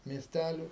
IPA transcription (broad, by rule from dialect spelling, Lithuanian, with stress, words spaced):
mʲiɛsʲˈtʲælʲʊ